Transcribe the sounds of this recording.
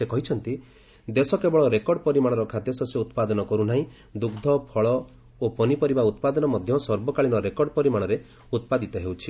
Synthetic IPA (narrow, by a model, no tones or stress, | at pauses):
sekɔɦit͡ʃʰɔnt̪i | d̪esɔkebɔɭɔɾekɔɾɖɔpɔɾimaɽ̃ɔɾɔkʰad̪ʱjɔsɔseut̪pad̪ɔnɔkɔɾunaɦĩ | d̪uɡd̪ʱɔpʰɔɭɔ | opɔnipɔɾibaut̪̚pad̪ɔnɔmɔd̪ʱjɔsɔɾbɔkaɭinɔɾekɔɖɔpɔɾimaɽ̃ɔɾe | ut̪̚pad̪it̪ɔɦewt͡ʃʰi